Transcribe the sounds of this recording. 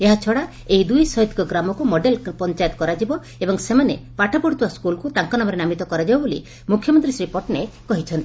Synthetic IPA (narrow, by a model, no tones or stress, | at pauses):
eɦat͡ʃʰɔɽa | eid̪ujsɔɦit̪i̥kɔɡɾamɔkumɔɖelpɔnt͡ʃajɔt̪ɔ̥kɔɾad͡ʒibɔ | ebɔŋsemanḛpaʈʰapɔɽit̪uwaskulkut̪aŋkɔnɔmɔɾenamit̪ɔkɔɾad͡ʒibɔbolḭ | mukʰjɔmɔnt̪ɾisɾipɔʈnekɔɦit͡ʃʰɔnt̪i̥